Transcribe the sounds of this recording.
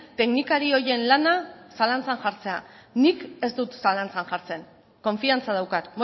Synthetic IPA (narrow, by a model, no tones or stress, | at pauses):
t̪e̞knikaɾio̞je̞nlanasalant͡sanʝaɾt͡se̞a̰nike̞zd̪ut̪salant͡sanʝaɾt͡se̞n | ko̞ɱfiant͡saðawkat̪mo